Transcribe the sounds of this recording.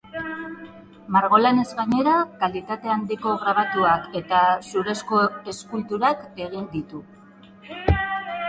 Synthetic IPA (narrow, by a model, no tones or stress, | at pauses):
maɾɣ̞o̞lane̞zɣaɲe̞ɾakalit̪at̪e̞and̪iko̞ɣɾaβat̪uake̞t̪asuɾe̞sko̞e̞skult̪uɾake̞ɣ̞ind̪it̪u